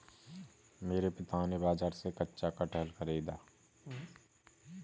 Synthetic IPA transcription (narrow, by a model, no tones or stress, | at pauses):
meːɾepɪt̪aːnebaːd͡ʒaːɾsekətːʃakaʈəlkʰəɾeːd̪aː